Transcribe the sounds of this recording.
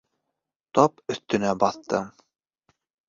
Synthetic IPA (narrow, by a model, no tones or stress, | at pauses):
t̪ɒpɵ̆θt̪ɵ̆næbɑθt̪ɤ̰